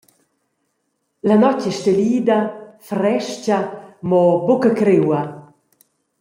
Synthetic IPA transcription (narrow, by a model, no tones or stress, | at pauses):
lanɔt͡ʃɛʃteliːd̪ɐfɾɛʃcamɔbokakɾewɐ